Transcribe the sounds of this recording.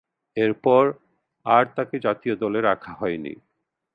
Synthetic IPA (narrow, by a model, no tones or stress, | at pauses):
eɾpɔɾ | aɾt̪aked͡ʑat̪iod̪ɔleɾakʰaɦɔenḭ